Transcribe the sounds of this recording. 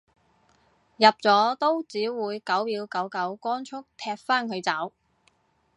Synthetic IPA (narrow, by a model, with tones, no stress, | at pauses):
jɐ˨p̚t͡sɔː˨˥t̪o˥wt͡siː˨˥wuː˨˧jkɐ˨˥wjiː˨˧wkɐ˨˥wkɐ˨˥wkɔː˥nt͡ʃʰʊ˥k̚t̪ʰɛː˧p̚faː˥nkʰɵ˨˧t͡sɐ˨˥w